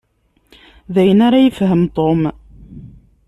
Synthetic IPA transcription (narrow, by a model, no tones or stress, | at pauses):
ðæjənaɾajəfɦəmt̪om